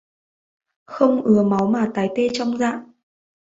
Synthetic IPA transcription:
xə˧wŋ͡mʔɨ˨˦əma˨˦wmaː˨˩t̪aː˨˦jt̪e˧t͡ɕɔ˧wŋ͡mza̰ː˧˨ʔ

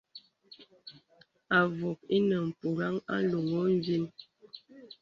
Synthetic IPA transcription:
a˨vo˨k̚i˦nə˨m̩˨pu˨ɾa˦ŋa̰˦lu˨ŋo˦m˦vi˦n

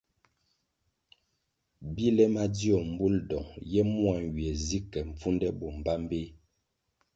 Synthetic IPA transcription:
bi˦lɛ˦ma˦di˦ɔ˨m̩˨bu˦ldɔ˨ŋjɛ˦mwa˨n˨ɥi˨ɛ˨zi˦kɛ˨ɱ̩˨p͡fu˦ndɛ˦bɔ˨m̩˨ba˦m˦be˦

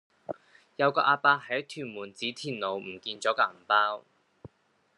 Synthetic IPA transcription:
jɐ˨˧wkɔː˧ʔaː˧paː˧hɐ˨˥t̪ʰyː˨˩nmuː˨˩nt͡siː˨˥t̪ʰiː˨˩nlo˨˧wm̩˨˩kiː˧nt͡sɔː˨˥kaː˧˨˩paː˥w

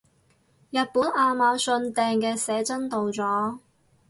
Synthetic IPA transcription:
jɐ˨t̚puː˨˥nʔaː˧maː˨˧sɵ˧nt̪ɛː˨˧ŋkɛː˧sɛː˨˥t͡sɐ˥nt̪o˨wt͡sɔː˨˥

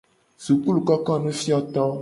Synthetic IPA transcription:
zu˨k͡pu˦lu˨kɔ˦kɔ˦nũ˦fi˦ɔ˦t̪ɔ˦

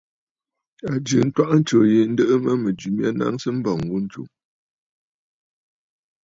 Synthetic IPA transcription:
a˨d͡ʒɨ˨n̩˦twa˦ʔn̩˦t͡ʃo˨je˨n̩˦də˦ʔə˦mə˦mə˨d͡ʒu˨mja˦na̰˦ŋsə˦m̩˦bɔ˨ŋ˨wu˦n̩˦t͡ʃṵ˨ŋ

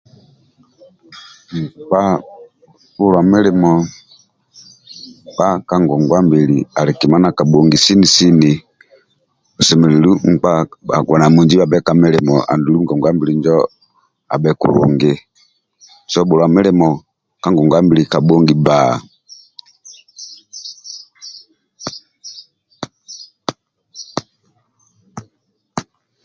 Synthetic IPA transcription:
m̩˨k͡pa˦ | bu˦lwa˨mɛ˦lɛ˨mɔ˨ | k͡pa˦ka˦ŋɡɔ˨ŋɡwa˦mbi˨li˨a˨li˨ki˨ma˦na˨ka˨ɓɔ˨ŋɡi˨si˦ni˨si˦ni˨ | ɔ˨sɛ˨mɛ˨li˨lu˦ŋ͡m̩˨k͡pa˦a̰˨ɡa˨na˨mu˨nd͡ʒi˦ba˨bɛ˦ka˨mɛ˦lɛ˨mɔ˨ʔa̰˨ndu˨lu˦ɡɔ˨ŋɡwa˦mbi˨li˨nd͡ʒɔ˦ | a̰˨bɛ˨kṵ˨ɾṵ˨ŋɡe˦ | sɔ˦bɔ˨lwa˨mɛ˦lɛ˨mɔ˨ | ka˦ŋɡɔ˨ŋɡwa˦mbi˨li˨ka˨ɓɔ˦ŋɡi˦ba˦˨

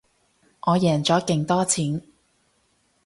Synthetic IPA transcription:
ʔɔː˨˧jɛː˨˩nt͡sɔː˨˥kɪ˧ŋt̪ɔː˥t͡sʰiː˨˥n

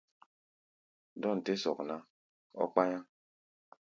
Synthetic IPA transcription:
dɔ˦n̩˨te˦sɔ̰˨kna˦ | ɔ̰˦k͡pa˦ɲa˦

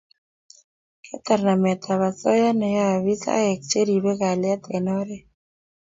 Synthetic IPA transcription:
kɛ˦ta˨rna˨mɛ˨tʰa˨βa˨t͡sɔ˦ja˦nɛ˨ja˦a˨βi˦sa̰˦ɛ˨k̚t͡ʃe˦ɾi˨βɛ˦ɣa˨la˦t̪ɛ˨nɔ˦ɾɛ˦

